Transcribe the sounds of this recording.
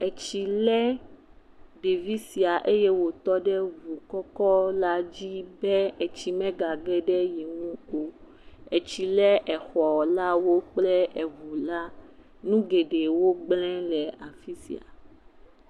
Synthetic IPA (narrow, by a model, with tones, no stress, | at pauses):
ɛ˨t͡ɕi˨lɛ˦ | ɖe˨vi˦si˨a˨ʔe˦jɛ˦wo˨t̪ɔ˦ɖɛ˦vu˨kɔ˦kɔ˦la˦d͡ʑi˦bɛ˦ɛ˨t͡ɕi˨mɛ̃˦ɡa˨ɡɛ˦ɖɛ˦ji˨ŋũ˦o˨ | ɛ˨t͡ɕi˨lɛ˦ʔɛ˨xɔ˨la˦wo˦k͡plɛ˦ɛ˨vu˨la˦ | nũ˦ɡe˨ɖe˨wo˦ɡ͡blɛ̃˦lɛ˨a˨fi˦sḭ˨a̰˨